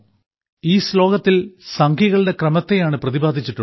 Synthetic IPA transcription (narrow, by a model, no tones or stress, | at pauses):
iːslo̞ːɣɐt̪ːilsɐŋkʰjiɣɐɭɨɽe̞krɐmɐt̪ːejaːɳɨprɐðibaːd̪ʱit͡ɕːiʈːu